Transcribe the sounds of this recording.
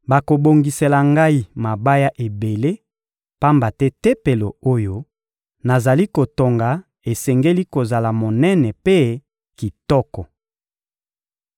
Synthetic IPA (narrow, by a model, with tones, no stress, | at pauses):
ba˨ko˨bo˨ŋɡi˨se˨la˨ŋɡa˦i˦ma˨ba˦ja˦ʔe˨be˨le˦ | pa˦mba˨tɛ˦te˦pe˨lo˨o˦jo˦ | na˨za˨li˦ko˨to˨ŋɡa˨ | e˨sɛ˨ŋɡe˦li˦ko˨za˨la˨mo˨nɛ˦nɛ˨pe˦ | ki˨tɔ˦kɔ˨